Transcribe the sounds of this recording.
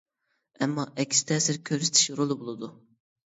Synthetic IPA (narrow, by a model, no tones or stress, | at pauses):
ɛmːɑʔɛkʲst̪ʰɛːsɪɾkʲʰøɾysɪ̥t̪ʰi̥ʃɾolˠɨbolˠɨd̪u